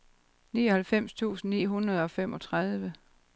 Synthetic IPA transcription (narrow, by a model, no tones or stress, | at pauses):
niːɒ̽hælfem̰st͡sʰṵːsn̩nḭːɦunʁɐð̞ˠɒ̽femɒ̽t͡sʰʁɑð̞ˠʋə